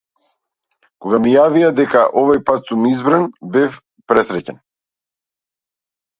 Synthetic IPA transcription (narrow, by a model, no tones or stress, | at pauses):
kɔɡamijaviad̪ɛka̰ʔɔvajpat̪sumizbɾanbɛf | pɾɛsɾɛcɛn